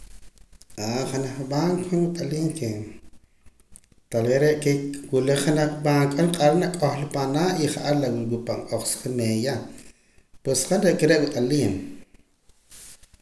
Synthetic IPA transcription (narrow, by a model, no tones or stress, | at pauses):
ʔaχanaχɓaŋkχonwiqʼaliːŋke | t̪aleɾeʔkewuleχanaχɓaŋkʼalqʼalnaʔkʼoχlpanaiχaʔalawiwipaŋqʼoχsχineja | pwesχanɾeʔkeɾeʔwiqʼaliːn